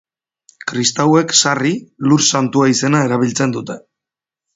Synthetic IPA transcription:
kɾist̪awe̞ksariluɾsant̪uaise̞nae̞ɾaβ̞ilt͡se̞nd̪ut̪e̞

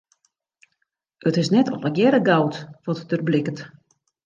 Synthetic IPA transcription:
ətɪsnɛtʰɔ̰pəɡjɛɾəɡawtʋɔtd̥ərblɪkət

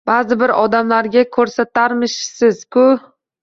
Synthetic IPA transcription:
b̥aːzɪbɪɾɒd̪amlaɾɡʲakʰɵɾsat̪aɾmɪʃsɪz̥kʰʊ

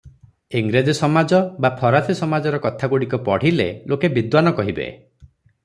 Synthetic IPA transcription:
iŋɡɾed͡ʒisɔmad͡ʒɔbapʰɔɾat̪ʰisɔmad͡ʒɔɾɔkɔt̪ʰaɡuɽikɔpɔɽ̤ilḛlokebid̪wanɔkɔɦibḛ

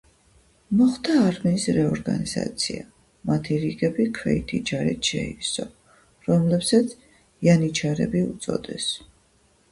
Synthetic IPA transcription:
mɔχd̪aːɾmiːsɾɛɔɾɡa̰niz̥a̰t̪sʰia | mat̪ʰiɾiɡɛbikʰwɛit̪ʰid͡ʒaɾḭt̪ʃɛisɔ | ɾɔmlɛpsat̪sʰ | janit͡ʃʰaɾɛ̰biut̪sʼɔ̰d̪ɛ̰s

